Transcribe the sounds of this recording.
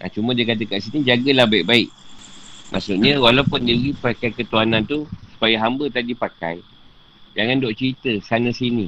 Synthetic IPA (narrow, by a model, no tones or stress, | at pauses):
ʔa̰t͡ʃumə̃diəkat̪̬əkaʔsinid͡ʒaɡəlahbaiʔ̚baɪʔ | mʔa̰ʔsuʔɲəwalaupʊndiɾipakajkət̪uanãnt̪usu̥pajaɦambət̪adipaka̰j | d͡ʒaŋandɔʔt͡ʃəɾit̪əsanəsini